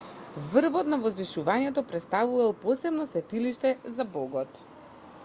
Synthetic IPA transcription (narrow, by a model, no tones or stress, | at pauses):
vr̩vɔt̪navɔzniʃuvaɲɛt̪ɔpɾɛt̪st̪avuvalˠpɔsɛbnɔsvɛt̪iliʃt̪ɛzabɔɡɔt̪